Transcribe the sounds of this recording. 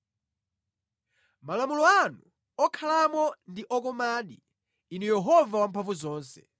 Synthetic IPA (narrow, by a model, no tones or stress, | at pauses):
malamulɔanu | ɔkʰalamɔndiʔɔkɔmaːɗi | inɛjɛɦɔvawampʰaɱvuzɔːnsɛ̥